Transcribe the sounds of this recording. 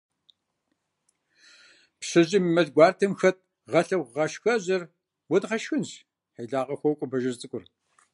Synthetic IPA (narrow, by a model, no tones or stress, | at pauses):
pɕɐʑʼɪmmɐɮɡʷɑːrtʰɐmxɐt̚ | ʁɐɬɐwʁɐʃxɐʑɪr | wɐdʁɐʃxɨnɕ | ħeɮaːʁɐxʷɐwkʷʼʊbɐʒɐrt͡sʼɨkʷʼʊr